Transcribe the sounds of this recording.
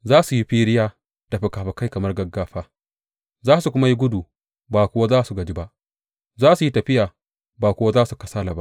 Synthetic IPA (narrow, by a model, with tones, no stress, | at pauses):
zaː˦su˨ji˦ɸiː˦ɾɪ˦jaː˦ | tɐ˨ɸɪ˨kaː˨ɸɐ˨ka˦jkɐ˨mɐ˦rɡɐ˦ɡːaː˦ɸaː˦ | zaː˦su˨kʷʊ˦ma˦ji˦ɡʷʊ˦duː˨ | baː˨kʷʊ˦wa˦zaː˦su˨ɡɐ˨d͡ʒi˦ba˦ʔ | zaː˦su˨ji˦tɐ˨ɸɪ˦jaː˨ | baː˨kʷʊ˦wa˦zaː˦su˨kɐ˦saː˦la˨ba̰˦ʔ